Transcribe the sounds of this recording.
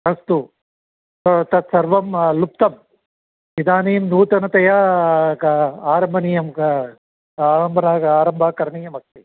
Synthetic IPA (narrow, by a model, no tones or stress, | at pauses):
ɐst̪u | t̪ot̪ɐt̪sɐɾʋɐmlup̚t̪ɐm | id̪aːniːmnuːt̪ɐnɐt̪ɐjɐ | aːɾɐmbʱɐniːjɐm | aːɾɐmbʱɐnaːaːɾɐmbʱaːkɐɾɐɳiːjɐmɐk̚t̪i